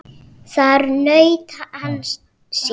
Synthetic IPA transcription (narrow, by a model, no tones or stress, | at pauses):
saɾnəjt̪ʰaʔan | s